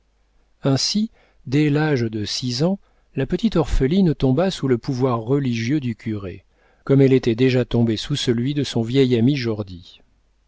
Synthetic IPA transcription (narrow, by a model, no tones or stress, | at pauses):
ɛ̃si | d̪ɛlaʒd̪əsizɑ̃ | lapət̪it̪ɔʁfəlint̪ɔ̃basuləpuvwaʁːəliʒjød̪ykʲʰyʁḛ | kɔmɛlet̪ɛd̪eʒat̪ɔ̃besusəlɥid̪əsɔ̃vjɛjamiʒɔʁd̪i